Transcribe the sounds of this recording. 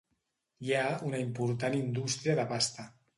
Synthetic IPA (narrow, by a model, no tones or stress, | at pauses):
jaunaimpuɾt̪anind̪ust̪ɾiəðəpast̪a